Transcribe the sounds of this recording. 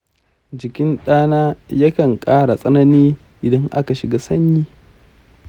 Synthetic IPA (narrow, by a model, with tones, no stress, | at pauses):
d͡ʒɪ˨kʲɪ˦nɗaː˦naː˦ja˦kɐ˨ŋkʼaː˦ɽa˨sʼɐ˦nɐ˦niː˦ | ʔɪ˨dɐ˦ŋʔa˦ka˨ʃɪ˨ɡaː˦sɐ˦ɲjiː˦